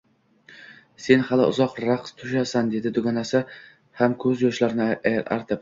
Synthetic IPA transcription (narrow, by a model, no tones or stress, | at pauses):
se̞nhalɪ̰ʔʊ̰zɒqɾaqst̪ʰʊʃasand̪e̞d̪ɪd̪ʊɡʲanasɪ | hamkʰɵzjɒʃlaɾnɪaɾa̰ɾt̪ʰɪp̚